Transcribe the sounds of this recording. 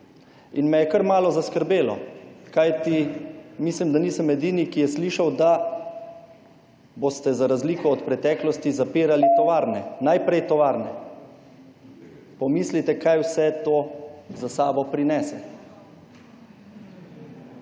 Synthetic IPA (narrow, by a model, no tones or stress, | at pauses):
inmɛjɛkəɾmaːlɔzaskəɾbeːlɔ̰kajt̪imislimd̪aniːsəmɛd̪iːnikijɛsliːʃawd̪a | boːst̪ɛzaɾazliːkɔɔt̪pɾɛt̪ɛːklɔst̪izapiːɾalit̪ɔʋaːɾnɛnajpɾɛjt̪ɔʋaːɾnɛ | pɔmiːslit̪ɛkajwsɛt̪oːzasaːbɔpɾinɛːsɛ